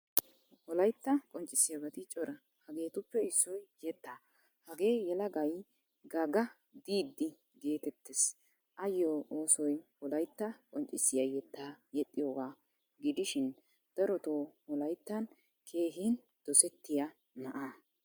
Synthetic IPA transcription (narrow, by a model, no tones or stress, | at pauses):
hɔlɐjt̪ːɐkʼɔnt͡ʃʼɪsːɪjɐɡɐt̪ɪt͡ʃʼɔɾɐ | hɐɡe̞ːt̪ʊpːɛɪsːɔjjɛt̪ːaː | hɐɡe̞ːjɛlɐɡɐj | ɡɐɡɐ | d̪iːd̪ːɪ | ɡe̞ːt̪ɛt̪ːes | ʔɐjːoːʔoːsɔjhɔlɐjt̪ːɐkʼɔnt͡ʃʼːɪsːɪjɐjɛt̪ːaːjɛt̪ʼːɪjoːɡaː | ɡɪd̪ɪʃɪn | d̪̥ɐɾɔt̪oːhɔlɐjt̪ːɐn | kʰe̞ːɦɪn | d̪̥ɔsɛt̪ːɪja | nɐʔa